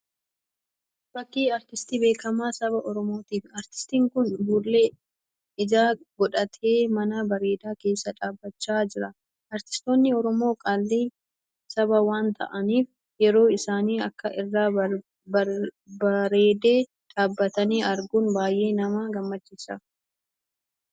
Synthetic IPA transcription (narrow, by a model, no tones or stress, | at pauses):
b̥ɐkːiːɐɾt̪ɪst̪iːbe̞ːkɐmaːsɐβɐʔɔɾɔmo̞ːt̪iːfɐɾt̪ɪ̥st̪iːŋkʊnd̪uːlːe̞ː | ɪd͡ʒaːɡɔᶑɐt̪ʰeːmɐnɐbɐɾe̞ːd̪aːke̞ːsːɐᶑaːbːɐt͡ʃːaːd͡ʒɪɾɐ | ʔɐɾt̪ɪ̥st̪o̞ːnːɪɔɾɔmo̞ːkʼalːiː | sɐbɐwaːnt̪ɐ̰ʔɐniːf | jɛɾo̞ːɪsaːniːɐkːɐʔɪrːaː | bɐɾe̞ːd̪e̞ː | ᶑaːbːɐt̪ɐniːʔɐɾɡuːnbaːjʔe̞ːnɐmaːɡɐmːɐt͡ʃːɪsɐ